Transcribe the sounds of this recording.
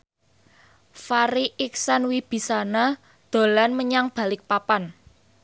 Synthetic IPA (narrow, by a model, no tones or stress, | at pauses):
faɾiʔiksanwib̥i̤sana | d̪̥o̤lanməɲaŋb̥ä̤lɪk̚papan